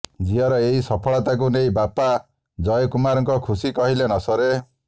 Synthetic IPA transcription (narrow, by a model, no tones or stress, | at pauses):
d͡ʒiɦɔɾɔeɦisɔpʰɔɭɔt̪ak̬unejbapa | d͡ʒɔjɔkumaɾɔŋkɔkʰusikɔɦilenɔsɔɾe